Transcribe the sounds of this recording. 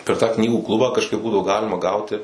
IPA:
pʲɛr tɑː ˈknʲiːɡuː ˈklˠʊbɑː kɐʃˈkɐɪp ˈbuːdɐʋoː ˈɡɑːlʲɪmɐ ˈɡɐʊtʲɪ

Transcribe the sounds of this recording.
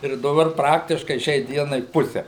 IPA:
ɪr dɐˈbɐr ˈprɑːktʲɪʃkɐɪ ˈʃʲɛɪ ˈdʲiɛnɐɪ ˈpʊsʲɛ

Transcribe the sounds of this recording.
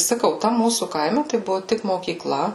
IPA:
sɐˈkɐʊ ˈtɐm ˈmuːsuː ˈkɐɪmʲɛ tɐɪ ˈbʊʋʊ ˈtʲɪk moːkʲiːkˈlˠɐ

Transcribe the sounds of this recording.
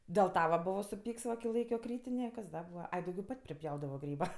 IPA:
dʲeːlˠ ˈtɐ ʋɐ ˈbʊʋoː sʊˈpʲiːks ʋɐ kʲɪ ˈlˠɐɪkʲoː ˈkrʲiːtʲɪnʲeː kɐs ˈdɐ ˈbuːʋɐ ˈɐɪ dɐʊˈɡʲɛʊ ˈpɐtʲ pʲrʲɪˈpʲjɛʊdɐʋoː ˈɡrʲiːbɐ

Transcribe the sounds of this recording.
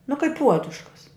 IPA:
nʊ kɐɪp ˈpuɔdʊʃkɐs

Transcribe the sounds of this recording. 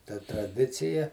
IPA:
tɐ trɐˈdʲɪt͡sʲɪjɛ

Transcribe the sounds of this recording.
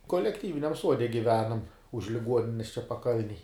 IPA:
koːlʲɛkˈtʲiːʋʲɪnʲɛm ˈsuɔdʲɛ ɡʲɪˈʋʲæːnɐm ʊʃ lʲɪˈɡuɔnʲɪnʲɛs t͡ʃʲɛ pɐˈkɐlʲnʲɛj

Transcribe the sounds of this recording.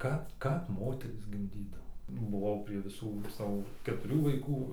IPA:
ˈkɐp ˈkɐp ˈmoːtʲɛrʲiːs ɡʲɪmʲˈdʲiːdɐʋoː bʊˈʋɐʊ pʲrʲiɛ ʋʲɪˈsuː ˈsɑːʋoː kʲɛtʊˈrʲuː ʋɐɪˈkuː

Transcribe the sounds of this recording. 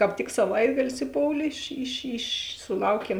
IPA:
kɑːp ˈtʲɪk sɐˈʋɐɪtɐɡɐlʲɪs ɪˈpoːʊlʲeː ɪʃ ɪʃ ɪʃ sʊˈlˠɐʊˌkʲiɛm

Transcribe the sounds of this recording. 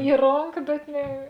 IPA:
ɪ ˈroːŋkɐ bʲɛt ˈnʲɛ

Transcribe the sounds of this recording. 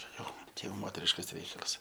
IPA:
ˈt͡ʃʲɛ jɛʊ ˈt͡ʃʲɛ jɛʊ ˈmoːtʲɛrʲɪʃkɐs ˈrʲɛɪkɐlˠɐs

